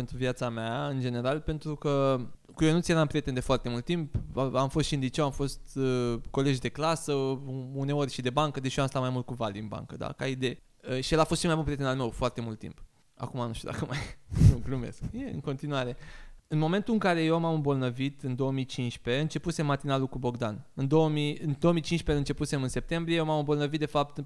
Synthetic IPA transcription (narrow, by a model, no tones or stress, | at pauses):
pe̞nt̪ɾuvijat̪sameaɨnd͡ʒe̞ne̞ɾalpe̞nt̪ɾukə | kujonut̪sije̞ɾaɨmpɾʲije̞t̪end̪e̞foart̪e̞mult̪ːimpamfost̪ʃiɨnd̪it͡ʃewamfo̞st̪ko̞le̞ʒd̪e̞klasəune̞o̞rʲʃid̪e̞baŋkəd̪eʃioamst̪at̪majmult̪̚kuvaliɨnba̰ŋkəd̪a̰kaid̪e̞j | əʃielafost̪ʃimajbunpɾʲieenalme̞wfoart̪emult̪ːḭmp | a̰kumanuʃt̪ṵd̪a̰kəmajuklume̞̰skjeɨ̰ŋko̞nt̪inuaɾe̞ɨnmo̞me̞nt̪ulɨŋkaɾe̞jewamamɨmbo̞lnəvit̪ɨnd̪o̞wəmit͡ʃinʃpe̞ɨnt͡ʃe̞puse̞mːat̪inalukubo̞ɡd̪anɨnd̪o̞wəmiɨnd̪oomit͡ʃinʃpeɨnt͡ʃe̞puse̞mɨnse̞p̚t̪e̞mbɾiejewmamɨmbo̞lnəvit̪d̪efap̚t̪